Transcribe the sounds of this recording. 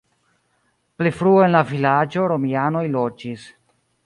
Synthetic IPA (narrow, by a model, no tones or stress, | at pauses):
plifɾuoe̞nlavilad͡ʒo̞ɾo̞miano̞jlo̞d͡ʒis